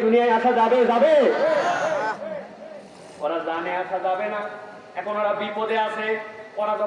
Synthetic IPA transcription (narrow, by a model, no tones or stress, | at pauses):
d̪ʱunijajaʃazabezabe | oɾazaneaʃazabena | ɛkʰonɔɾabipod̪easʰekɔɾad̪ʱɔ